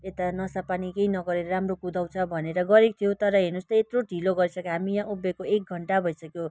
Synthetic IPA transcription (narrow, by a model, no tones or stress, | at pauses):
et̪anʌsapanikeinʌɡʌɾeɾʌɾamrokud̪ʱaw̃t͡sʰʌbʱʌneɾʌɡʌɾik̚t̪ʰijot̪ʌɾʌɦinust̪ʌet̪roʈiloɡʌɾisʰʌkeɦamijãʔubekoek̚ɡʱʌɳʈabʱʌjsʌkjo